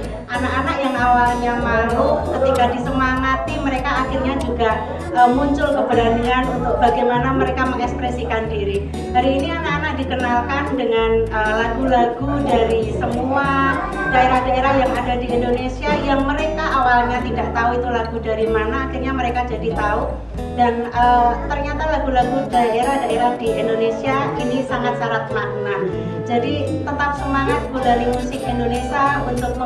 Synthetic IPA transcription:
ʔanakanakjaŋawalɲamaɾʊkət̪ikadisəmaŋat̪iməɾekaːxɪrɲad͡ʒuɡaʔ | əmuɲt͡ʃʊlkəbəɾanianunt̪ʊk̚b̥aɡajmanaməɾekaməŋɛkspɾesikandiɾi | d̥aɾiːnianakanak̚dikənalkandəŋanəlaɡulaɡudaɾisəmua | daeɾahdaeɾahjaŋadadiindonesiajaŋməɾekaʔawalɲat̪idaʔt̪auit̪ulaɡudaɾimanaːkirɲaməɾekad͡ʒadit̪au | danəːt̪ərɲat̪alaɡulaɡudaeɾahdaeɾahdiʔindonesiainisaŋat̪̚saɾat̪̚mak̚na | d͡ʒadi | t̪ət̪ap̚səmaŋat̪̚budaɾimusɪkindonesiaunt̪ʊk̚

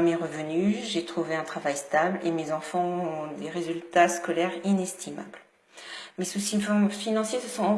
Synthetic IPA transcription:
meʁəvənyʒet̪χuveɛ̃t̪χavajst̪ablḛmezɑ̃fɑ̃ɔ̃d̪eʁezylt̪askɔlɛʁinɛst̪ʰima̰bl | mesusifɔmfinɑ̃sjesəsɔ̃

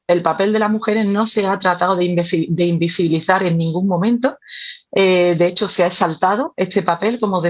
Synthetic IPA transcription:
e̞lpape̞ld̪e̞laɦmuxe̞ɾe̞zno̞se̞at̪ɾat̪aoðemsid̪e̞imbisiβiliθaɾe̞nːĩŋɡuŋmõ̞mẽ̞nt̪o̞ed̪eet͡ʃo̞seaesalt̪að̞o̞e̞t̪e̞pape̞lko̞moðe

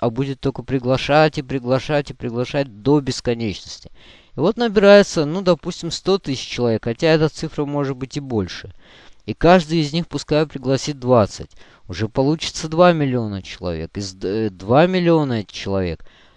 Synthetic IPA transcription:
ɐbudʲɪt̪ːokəpɾʲɪɡlˠɐʂatʲɪpɾʲɪɡlˠɐʂatʲɪpɾʲɪɡlˠɐʂat̚ʲd̪o̞bʲɪskɐnʲet͡ɕnəsʲtʲɪ̥ | ɪvo̞t̪nəbʲɪɾajɪt̪sənud̪ɐpusʲtʲɪmst̪o̞t̪ɨsʲɪ̥t͡ɕt͡ɕːɪlˠɐvʲe̞kxɐtʲaɛt̪ət̪sɨfɾəmo̞ʐɨt̪̚bɨtʲɪbo̞lʲʂɨ | ikaʐd̪ɨjɪzʲnʲixpʊskajʊpɾʲɪɡlˠɐsʲit̚d̪vat̪sɨtʲ | ʊʐɛpɐlˠut͡ɕɪ̥t̪səd̪vamʲɪlʲɪo̞nət͡ɕɪlˠɐ̰vʲḛkɨzd̪vamʲɪlʲɪo̞nət͡ɕɪlˠɐvʲe̞̰k

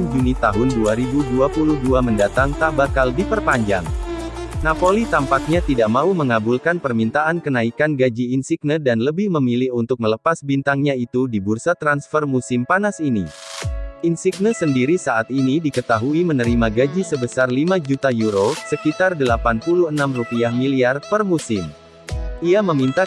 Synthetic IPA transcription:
nd͡ʒunit̪aɦʊnduaɾibuduapuluhduaməndat̪aŋt̪abakaldipərpaɲd͡ʒa̰ŋ | napolit̪ampak̚ɲat̪idaʔmauməŋabulkanpərmint̪aʔankənaikanɡad͡ʒiːnsik̚nədanləbɪhməmilɪhunt̪ʊk̚mələpasbint̪aŋɲait̪udibursat̪ɾansfərmusɪmpanasinḭ | insiɡ̚nəsəndiɾisaʔat̪̚inidikət̪aɦuimənəɾimaɡad͡ʒisəbəsarlimad͡ʒut̪ajuɾosəkit̪ardəlapanpuluhənamrupiahmiliarpərmusɪm | ʔiaməmint̪a

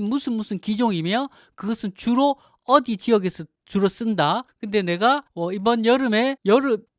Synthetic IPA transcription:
nmusʰɯnmusʰɯnkid͡ʑoŋimjʌ | kɯɡʌsʰɯnt͡ɕuɾo | ʌdit͡ɕiʌɡe̞sʰʌ | t͡ɕuɾʌs͈ɯndakɯnde̞ne̞ɡawʌibʌnjʌɾɯme̞jʌɾɯm

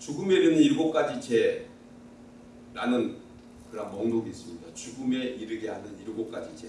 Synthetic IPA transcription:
t͡ɕuɡɯme̞iɾɯniiɾɡop̚k͈ad͡ʑit͡ɕe̞ | ɾanɯn | kɯɾʌnmʌŋdoɡiːs͈ɯmɲidat͡ɕuɡɯme̞ʔiɾɯɡeɦanɯniɾɡop̚k͈ad͡ʑit͡ɕe

